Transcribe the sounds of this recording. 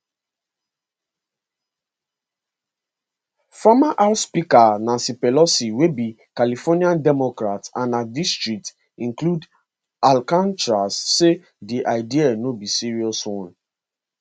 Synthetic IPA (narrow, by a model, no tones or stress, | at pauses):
famaʔaʊtspikanãnsipɛlɔsiwebi | kalifɔniãndɛmɔkɹatã̰nadistɹik̚t | ĩnklud | alkãnt͡ʃɹasːe | diʔaɪdianobisiɹiɔswɔ̃n